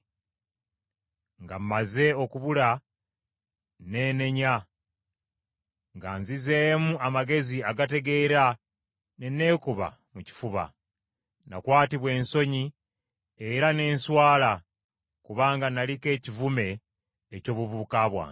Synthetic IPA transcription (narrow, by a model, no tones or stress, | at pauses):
ŋɡam̩maze̞o̞kuβula | ne̞ːne̞ɲa | ŋɡaːnzizemuamaɡe̞ziaɡate̞ɡe̞ɾa | nenːe̞ːkuβa̰ | muci̥fuβa̰ | na̰kwaːtiβwe̞ːnso̞ɲi | eɾane̞ːnswaːla | kuβaːŋɡanalike̞ːcivume̞ː | co̞ːβuβukaːβwa̰ːn